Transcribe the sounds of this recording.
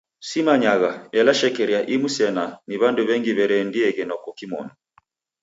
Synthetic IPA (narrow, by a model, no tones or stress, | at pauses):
simaɲaɣaɛlaʃɛkɛɾiaʔimusɛnaniβanduβɛŋɡiβɛɾɛndiɛɣɛnɔkɔkimɔ̰nɔ